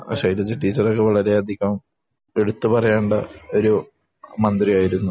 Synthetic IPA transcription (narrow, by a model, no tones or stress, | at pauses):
ʂɐjlɐd͡ʑɨʈːiːt͡ɕːɐrokːe̞ʋɐɭɐɾe̞ɐd̪ʱikːɐm | e̞ɽut̪ːupɐrɐjaːɳɖɐo̞ɾu | mɐnd̪rijaːjiɾunːu